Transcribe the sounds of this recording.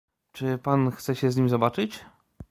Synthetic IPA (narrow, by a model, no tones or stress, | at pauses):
t͡ʂɘpanxt̪sɛɕɛzɲimʲzɔbat͡ʂɘt͡ɕ